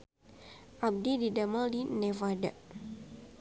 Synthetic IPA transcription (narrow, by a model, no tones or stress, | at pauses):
ʔab̚dididamaldinɛvada̰ʔ